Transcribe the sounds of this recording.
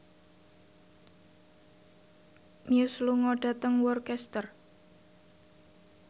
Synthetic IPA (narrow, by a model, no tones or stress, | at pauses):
miusluŋɔɖ̥a̤t̪əŋwɔrkɛst̪ər